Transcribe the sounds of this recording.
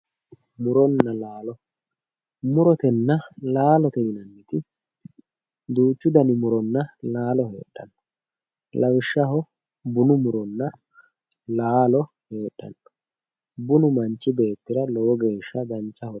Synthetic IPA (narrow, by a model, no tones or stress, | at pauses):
mʊɾɔnːɐlaːlɔ | mʊɾɔt̪ɛnːɐlaːlɔt̪ɛʔɪnɐnːɛt̪ɪ | d̪uːt͡ʃːʊd̪ɐnɪmʊɾɔnːɐlaːlɔhe̞̰ːɗːɐ̰nːɔ | lɐwɪʃːɐɦɔ | bʊnʊmʊɾɔnːɐ | laːlɔ | he̞ːɗːɐ̰nːɔ̥ | bʊnʊmɐnt͡ʃːɪbe̞ːt̪ːɪɾɐlɔwɔɡe̞ːʃːɐɡ̪ɐnt͡ʃːɐhɔ